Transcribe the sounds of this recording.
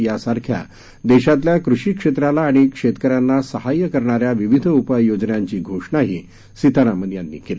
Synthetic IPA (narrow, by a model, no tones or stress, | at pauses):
jasaɾkʰja̰ | d̪eɕat̪̬ljakɾuʂiːkʂet̪ɾalaːɽ̃ikʂet̪kəɾjanːasəɦajəkəɾɳaɾjaʋiʋid̪ʱəupəjod͡znjaɲt͡ɕiːɡʱoʂɳaɦi | sit̪aɾamənjanːḭːkeli